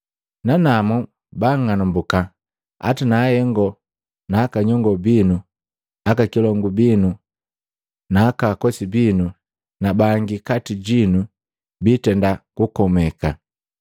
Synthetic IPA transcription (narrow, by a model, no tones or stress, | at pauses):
nanamɔ | baŋanambuka | a̰tinaːhɛŋɡɔ | naːkaɲɔŋɡɔbinu | akakilɔŋɡubinu | naːkakɔsibinu | nabaŋɡikatiɟinu | bitɛndakukɔmɛka